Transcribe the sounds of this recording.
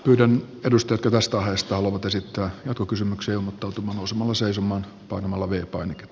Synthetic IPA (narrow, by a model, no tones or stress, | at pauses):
pyːdæn | edust̪ɑjɑt̪kɑt̪æst̪æɑhest̪ɑhɑloʋɑt̪esit̪ːæːjɑt̪̚kokysymykseːilmot̪ːɑˑut̪umɑːnousemɑlːɑseisomːˑɑːn | pɑinomɑlːɑʋeːpɑineke̥t̪ː